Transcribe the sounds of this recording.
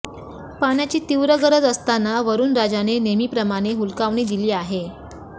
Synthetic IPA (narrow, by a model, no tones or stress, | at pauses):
paɽ̃jat͡ɕiːt̪iʋɾəɡəɾəd͡zəst̪anaʋəɾuːnɾad͡zanenemiːpɾəmaɽ̃eɦulkaʋɳiːd̪iliːaɦe